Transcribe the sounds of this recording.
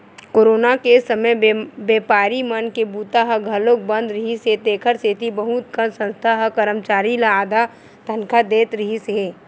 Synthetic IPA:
koːɾoːnakesəməjbeːpaːɾimənkebuːt̪aɦɐɡʱɐlok̚bɐ̃nd̪ɾɪɦiset̪eːkʰəɾseːt̪ʰibɐɦut̪kənsə̃nst̪ʰaɦɐkɐɾəmt͡ʃaːɾilaaːd̪ʱa | t̪ɐnkʰad̪eːt̪ɾɪɦise

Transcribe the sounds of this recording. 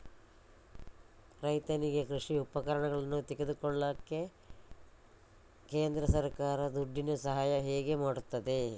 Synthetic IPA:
kɾɐjt̪ɐniɡekɾuʂiupɐkɐɾɐɳɐɡɐɭɐnːut̪eɡed̪ukoɭːɐkːe̞ | keːnd̪ɾɐsɐɾkaːɾɐd̪uɖːinɐsɐɦaːjɐɦeːɡe̞maːɽut̪ːɐd̪e̞

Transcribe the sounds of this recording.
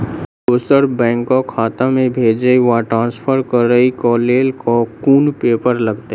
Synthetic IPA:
oːsəɾbɛ̃ːŋkːokʰaːt̪ãmẽbʱeːd͡ʒəiʋaʈɾãːnspʰəɾkəɾəikɔːleːlkokuːnpeːpəɾləɡt̪e

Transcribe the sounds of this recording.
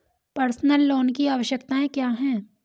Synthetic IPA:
pɐɾsnəlːɔːnkiaːʋəʃjəkt̪aẽkjaːɦɛ̃ː

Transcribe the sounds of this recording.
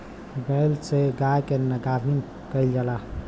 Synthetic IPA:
bəlseɡajkenəɡabʱin | kəɪld͡ʒalaɦ

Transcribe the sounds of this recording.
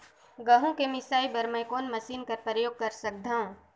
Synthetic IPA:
ɡɐɦũkemɪsaːibɐɾməjkoːnmɐsiːnkɐɾpɾəjoːɡ̚kɐɾsɐk̚d̪ʱaːõ

